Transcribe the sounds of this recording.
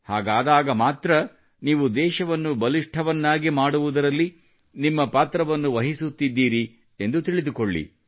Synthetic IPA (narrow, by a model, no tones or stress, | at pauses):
haːɡaːd̪aːɡɐmaːt̪ɾɐ | niːʋud̪ɛːʃɐʋɐnːubɐliʂʈʰɐʋɐnːaːɡimaːɽuʋud̪ɐɾɐlːi | nimːɐpaːt̪ɾɐʋɐnːuʋɐɦisut̪ːid̪ːiːɾi | e̞nd̪ut̪iɭid̪ukoɭːḭ